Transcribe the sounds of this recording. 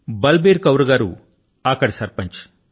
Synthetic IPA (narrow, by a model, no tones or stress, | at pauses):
bɐlbeːɾkɐwɾuɡaːɾṵ | ɐkːɐɽisɐɾpɐɲt͡ʃ